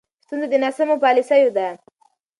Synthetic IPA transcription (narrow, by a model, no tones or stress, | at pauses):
st̪unzad̪ənasamopɑlisajod̪a